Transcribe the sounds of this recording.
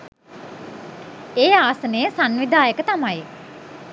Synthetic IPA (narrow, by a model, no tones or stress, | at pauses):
eːaːsənəjəsanʋid̪aːjəkət̪amaj